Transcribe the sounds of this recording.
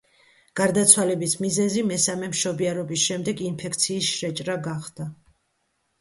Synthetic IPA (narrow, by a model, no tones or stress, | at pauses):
ɡ̥aɾd̪at̪sʰwalɛbismizɛzimɛsamɛmʃɔbiaɾɔbisʃɛmd̪ɛɡinpʰɛkʰt̪sʰiːsʃɾɛt͡ʃʼɾaɡaχd̪̥a